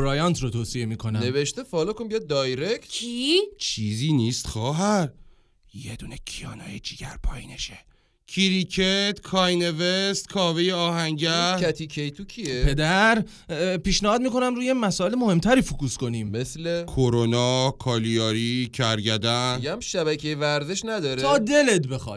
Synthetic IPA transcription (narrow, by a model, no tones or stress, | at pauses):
oɾɒjɒnt̪ʰrot̪ʰoːsije̞miːkʰo̞næneveʃt̪efɒlɔkonmbijɔd̪ɒjɾek̪kʰit͡ʃʰiːziːniːst̪xɒːɦæɾ | jed̪unecʰijɒ̰ːnɒ̰ːjed͡ʒiːɟæɾpʰɒ̰ːjḭːneʃe | cʰiɾicʰet̪kʰɒːjnevest̪kʰɒːvejeɒːɦæŋɟææt̪ʰicʰejt̪ʰucʰiepʰe̞d̪æɾ | piːʃnæhɒːd̪miːko̞næmɾuːjemæsɒːe̞lemo̞he̞mt̪ʰæɾiːfukuːsko̞niːmmeslekʰoɾonɒːkʰɒːlijɒːɾicʰæɾɟæd̪ænjæmʃæbækʰejevæɾzeʃnæd̪ɒːɾʰɒːd̪e̞let̪be̞xɒ̰ː